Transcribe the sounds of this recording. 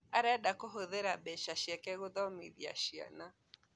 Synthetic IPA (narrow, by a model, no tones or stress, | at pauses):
aɾɛdakoɦoðeɾabɛʃaʃɛkɛɣoðɔmḛðia̰ʃia̰na